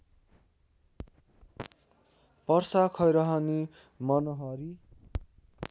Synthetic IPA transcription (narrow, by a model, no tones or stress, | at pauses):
pʌrsakʰʌjɾʌɦʌni | mʌnoɦʌɾi